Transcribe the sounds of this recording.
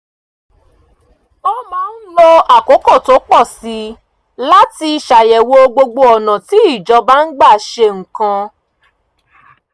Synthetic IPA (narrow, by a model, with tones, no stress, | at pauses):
ɔ˦mãː˨˦n̩˦lɔ˧a˨ko˨˦kɔ˦˨to˨˦k͡pɔ˦˨si˨˦ | la˦ti˧i˨ʃa˨jɛ˨wo˧o˧ɡ͡bo˧ɡ͡bo˧ɔ˨nã˨ti˨˦i˦˨d͡ʒɔ˧ba˦n̩˦ɡ͡ba˦˨ʃe˧ŋ̩˨kã˧